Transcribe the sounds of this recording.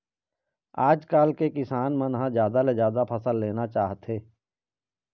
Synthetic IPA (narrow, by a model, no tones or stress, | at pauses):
aːd͡ʒkaːlkekɪsaːnmə̃nɦãzjaːd̪alezjaːd̪apʰəsəlːeːnat͡ʃaːɦt̪ɦeː